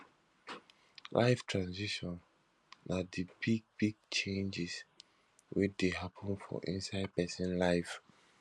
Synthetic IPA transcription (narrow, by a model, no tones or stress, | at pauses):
lʔa̰ɪftʰɹãnziʃɔ̃n | adibiɡ̚biɡ̚t͡ʃẽnd͡ʒis | wit͡ʃdeɦapʰə̃nfɔ̰ʔḭ̃nsaɪd̚pɛsĩnlaɪf